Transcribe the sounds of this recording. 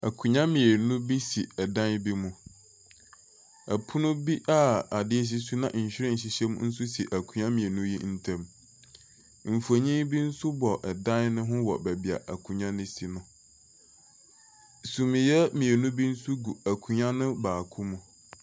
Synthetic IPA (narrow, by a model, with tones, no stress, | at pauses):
a˨kʰu˨ɲã˦mĩ˨e˨nũ˦bi˦sḭ˨ɛ˨dã˦nbi˦mũ˨ | æ˨pʰʊ˦nʊ̃˦bi˦ʔa˦˨a˨dɪ˦ɛ˦ɕ̬i˦s̬u˦nã̰˨ʔ̩˨ɕᶣɪ˦ɾɪ̃˦n̩˨ɕi˨ɕɛ˦m˦n̩˦sʊ˦si˨ʔæ˨kʰu˨ɲã˦mĩ˨e˨nũ˦jḭ˦n̩˦tʰã˦m | m̩˨fu˨a˨ɲĩ˦bi˦n̩˦sʊ˦bɔ˨ʔɛ˨dã˦nnʊ̃˦ɦʊ̃˦wɔ̰˨bæ˨bi˨a̰˨ʔæ˨kʰũ˨ɲã˦nʊ̃˦si˨nʊ̃˨ | sũ˨mɪ̃˨jɛ˦mĩ˨e˨nũ˦bi˦n̩˦sʊ˦ɡu˨æ˨kʰũ˨ɲã˦nʊ̃˦baː˨kʰu˦mũ˨